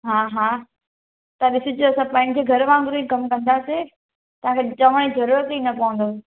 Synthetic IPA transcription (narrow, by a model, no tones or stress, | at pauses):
ɦaːɦaː | t̪ɐɗɪsɪd͡ʑoɐsãpãːɪ̃ñd͡ʑeːɡʱɐɾʋãːŋɡʊɾuikɐmkɐ̃nd̪aːse | t̪ɐʋãkʰet͡ɕɐʋəɽ̃ezɐɾuːɾət̪inɐpɐʋə̃nd̪o